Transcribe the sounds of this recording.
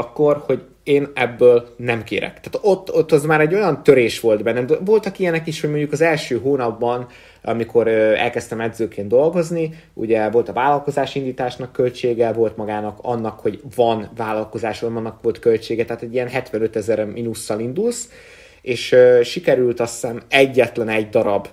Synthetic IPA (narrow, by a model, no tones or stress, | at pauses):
kːo̞rho̞ɟ | eːnɛbːøːlnɛmkḛːɾɛ̰kt̪aːt̪ot̪ːot̪ːɒzmaːɾɛɟːo̞jɒnt̪ø̞ɾeːʃʋo̞ld̪bɛnːɛmd̪ɛvo̞lt̪ɒkijɛnɛkiʃhoɟmo̞ɲɟukɒzɛlʃøːɦoːnɒbːɒn | ɒ̰mikʰo̞ɾøɛ̰lkɛst̪ɛmɛd̪zøːkeːnd̪d̪o̞lɡo̞zni | ṵɟɛvo̞lt̪ɒvaːlɒlko̞zaːʃind̪iːt̪aːʃnɒkːø̞lt͡ʃeːɡɛvo̞lt̪mɒɡaːnɒkɒ̰nːɒkho̞ɟvɒnvaːlɒlko̞zaːʃɒɒnːɒkʋo̞lt̪kø̞lt͡ʃeːɡɛt̪ɛɦaːt̪ɛɟːijɛnɦɛt̪ʋɛnø̞t̪ɛzɛɾminusːɒlind̪uls | eːʃøːʃikɛɾylt̪ɒsːɛnɛɟːɛt̪lɛnɛɟd̪ɒɾɒb